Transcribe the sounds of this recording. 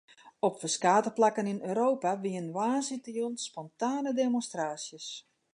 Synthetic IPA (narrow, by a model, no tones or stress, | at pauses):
ɔpfəskaːtəplakəninøːɾoːpaʋiənʋaːsitəjunspɔntaːnədemonstraːsjəs